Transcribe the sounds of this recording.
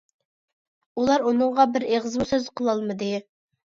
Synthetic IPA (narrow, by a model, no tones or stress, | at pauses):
ulˠɑɾunɨŋʁɑbɪɾeʁəzmusøzqʰəlˠɑlˠmɨd̪ɨ